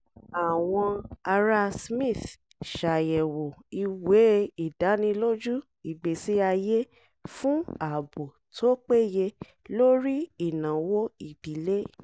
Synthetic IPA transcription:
a˨w̃ɔ̃˧a˧ɾa˧˦smĩ˦˨θ | ʃa˨jɛ˨wo˨i˧we˨˦i˦˨da˨˦nĩ˧lo˦d͡ʒu˦ | i˨ɡ͡be˨si˦a˧je˦ | fũ˦a˦˨bo˨ | tʰo˦k͡pe˦je˧ | lo˦ɾi˦i˦˨nã˨wo˦i˨d̥i˨˦le˦

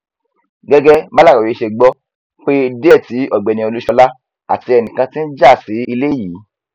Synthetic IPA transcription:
ɡɛ˦ɡɛ˦ba˦la˦˨ɔ˨ɾi˨˦ʃe˧ɡ͡bɔ˦ | k͡pe˦dti˨˦ʔɔ˦˨ɡ͡bɛ˨nĩ˧o˧lu˦ʃɔ˧la˦ | a̰˨ti˧ɛ˧nĩ˨kã˧tĩ˦n̩˦d͡ʒa˦˨si˨˦i˧le˦jiː˨˦

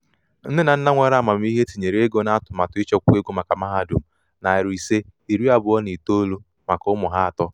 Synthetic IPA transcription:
n̩˦dɪ˦na˨n̩˦na˦ŋʷe˨ɾma˨m˦i˦ɦe˦ti˨ɲe˨ɾe˦ɡo˦na˦a˦tʊ˨ma˨tʊ˨˦ɪ˦t͡ʃɔ˦ku˦e˦ɡo˦ma˨ka˨ma˦ɦa˦˨˦du˨m̩˨ | na˨ɪ˨ɾi˨se˦i˨ɾi˦a˨bʊ˨ɔ˦ni˨to˦lo˦ | ma˨kʊ˦mʊ˨ɦa˦a˨tɔ˦

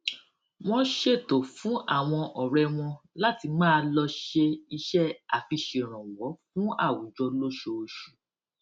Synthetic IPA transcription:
w̃ɔ̃˧ʃe˦˨to˨fũ˨˦ʔa˦˨w̃ɔ̃˧ʔɔ˨ɾɛ˧w̃ɔ̃˧ | la˦ti˧mãː˦˧lɔ˧ʃe˧i˧ʃɛ˦a˨fi˧ʃe˨ɾ̃ɔ̃˨wɔ˨˦fũ˦a˦˨wu˨˦d͡ʒɔ˧lo˦ʃo˧o˨ʃu̥˨

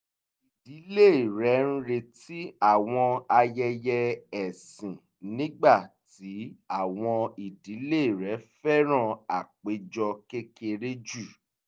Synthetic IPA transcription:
i˨di˨˦le˦˨i˨ɾɛ˨˦n̩˦ɾe˧ti˨˦a˦˨w̃ɔ̃˧a˧jɛ˧jɛ˧ɛ˨sĩ˨ | nĩ˦ɡ͡ba˦˨ti˨˦a˦˨w̃ɔ̃˧i˨di˨˦le˦˨i˨ɾɛ˨˦fɛ˦ɾ̃ã˦˨a̰˨k͡pe˨˦d͡ʒɔ˧ke˦ke˧ɾe˦d͡ʒu˦˨

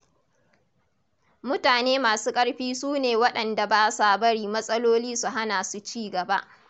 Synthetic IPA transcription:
mʊ˦taː˨neː˦maː˨suː˦kʼɐ˦ɽɸiː˦suː˦neː˨wɐ˦ɗɐ˨nda˨baː˦sa˦˨bɐ˦ɽiː˨mɐ˦sʼɐ˦loː˦liː˦su˨ɦa˦naː˨su˦t͡ʃiː˦ɡɐ˨ba˦ʔ

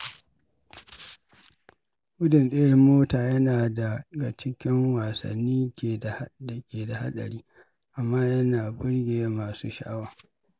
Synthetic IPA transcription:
ʔʊ˦dɪ˨nɗʼeː˦jɐ˦rmoː˦taː˨jɐ˦naː˨da˨ɡa˨t͡ʃɪ˦kʲɪ˦ŋwaː˨sɐ̰˨nːiː˦kʲe˨dda˨kʲeː˨da˨ha˦ɗɐ̰˨ɽiː˦ | ʔa˨mːaː˦jɐ˦naː˨bʊ˦ɽɡʲeː˨˦maː˨sṵː˦ʃa˨ʔa˦waː˨

